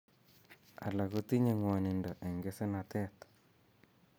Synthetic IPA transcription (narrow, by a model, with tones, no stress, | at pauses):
a̰˨la˨ko˦t̪i˦ɲe˨ŋwa˨nɪ˨ndɔ˨ʔe˨ŋɡe˦se˦na˨t̪ɛ˦t̪